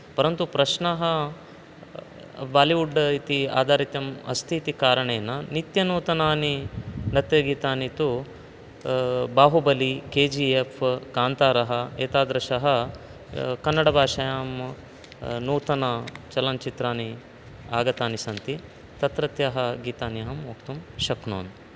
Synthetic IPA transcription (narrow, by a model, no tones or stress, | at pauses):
pɐɾɐnt̪upɾɐʃnɐɦɐ | baːliʋuɖːɐit̪ia̰ːd̪ʱaːɾit̪jɐmɐ̰st̪ʰit̪ikaːɾɐɳejɐnːɐnit̪jɐnuːt̪ɐnaːninɐt̪jɐɡiːt̪aːnit̪u | baːɦubɐlikeːd͡ʒiːefʰɡaːnt̪aːɾɐɦɐeːt̪aːd̪ɾɐʃɐɦɐ | kɐnːɐɽɐbʱaːʃɐjaːm | nuːt̪ɐnat͡ʃɐlɐnt͡ʃit̪ɾaːni | aːɡɐt̪aːnisɐnt̪i | t̪ɐt̪ɾɐt̪jɐɦɐɡiːt̪aːniɦɐmukt̪umʃɐknoːn